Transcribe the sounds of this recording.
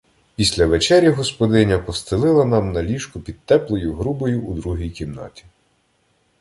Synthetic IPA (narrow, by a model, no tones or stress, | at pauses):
pʲisʲlʲɐʋet͡ʃɛɾʲjɐɦɔspɔd̪ɪnʲɐpɔst̪ɪlˠɪlˠɐnɑmnɐlʲiʃkʊpʲid̪̥̚t̪ɛplˠɔjʊɦɾubɔjʊːd̪ɾuɦʲijkʲimnɑ̰t̪ʲi̥